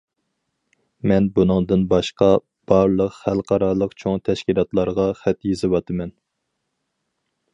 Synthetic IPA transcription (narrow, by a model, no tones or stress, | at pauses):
mɛnbunɨŋd̪ɨnbɑʃqɑ | b̥ɑɾlˠəqχælˠqʰɑɾɑlˠəqt͡ʃʰoŋt̪ʰɛʃkʲilˠɑt̪lˠɑɾʁɑχɛt̪jezɨwɑt̪ʰɨmɛn